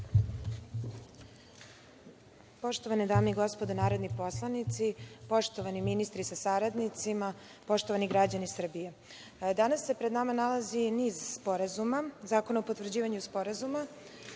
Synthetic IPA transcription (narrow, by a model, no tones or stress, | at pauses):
po̞ʃt̪o̞ʋaned̪aːmeiɡo̞spo̞d̪onaːɾod̪nipo̞slˠanit̪sipo̞ʃt̪o̞ʋaniminist̪ɾisasaɾad̪nit̪sima | po̞ʃt̪o̞ʋaniɡɾad͡ʑanisr̩bije | d̪anasːe̞pɾe̞d̪namanalaziniːzspo̞ɾazumazaːkonaopot̪vr̩d͡ʑiːʋaɲuspo̞ɾazuma